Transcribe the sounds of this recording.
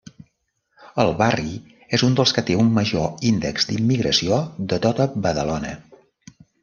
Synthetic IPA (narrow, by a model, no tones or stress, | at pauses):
əlˠβari | ezund̪əlˠskət̪eumːəʒoind̪ə̰kzd̪imːiɣɾəsioðət̪ot̪əbəðəlonə̰